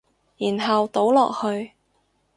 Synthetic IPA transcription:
jiː˨˩nɦɐ˨wt̪o˨˥wlɔː˨k̚hɵ˧ɥ

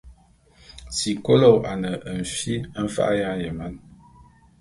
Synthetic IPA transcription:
si˨ko˦lo˦˨wʔa˨nə˨ʔə˨n̩˨fi˦m̩˦fa̰˦ʔja˦jə˨ma˦n

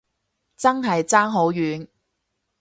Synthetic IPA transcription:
t͡sɐ˥ŋɦɐ˨jt͡saː˥ŋɦo˨˥wjyː˨˥n

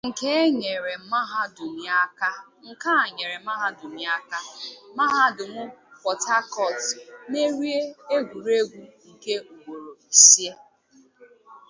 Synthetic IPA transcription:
ŋ̩˨ke˦e˦ɲe˨ɾe˨˦ma˦ɦa˦dʊ˨mi˨a˦ka˦ | ŋ̩˨ka˦a˨ɲe˨ɾe˨˦m˦a˦ɦa˦dʊ˨mi˨˦a˦ka˦ma˦ɦa˦dʊ˨mʊ˦pɔ˨ta˦kɔ˨tne˦ɾi˦e˦e˦ɡʷu˨ɾe˦ɡʷu˦ŋ̩˨ke˦u˨wo˨ɾo˨i˨si˦e˦

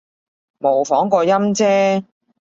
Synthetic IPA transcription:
mo˨˩wfɔː˨˥ŋkɔː˧jɐ˥mt͡sɛː˥

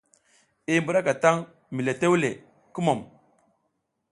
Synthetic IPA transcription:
i˦mbu˨ɾa˦ka˨ta˦ŋ | mi˨le˨te˦wle˨ | ku˦mo˨m

